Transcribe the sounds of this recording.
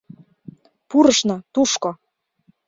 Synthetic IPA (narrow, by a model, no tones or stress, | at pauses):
puɾəʃnot̪uʃko